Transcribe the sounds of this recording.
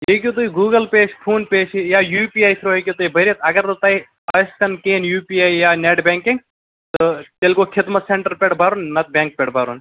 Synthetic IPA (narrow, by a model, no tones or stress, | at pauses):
jekʲjut̪̬uiɡuːɡəlpeːʃpʰuːnpeːʃijaːjuːpiːaːjt̪ʰɾoːekʲit̪uːibʱɐɾʲiɐt̪ɐɡɐɾot̪aːi | ɐskɐnkeːnjuːpiːaːjjaːneʈbʲẽːŋkɪŋɡ | t̪ɨt̪elkoːkʰɪd̪mɐt̪seɳʈəɾpʲeʈbʱaːɾunmɐt̪̚bẽːŋk̚pʲeɽbʱaːɾṵːn